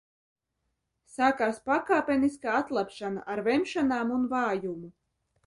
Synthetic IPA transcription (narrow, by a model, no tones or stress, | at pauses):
sakaːɾspakaːpʲeniskaːat̪lˠapʃana̰ʔaɾvɛmʃanaːmunvaːjumu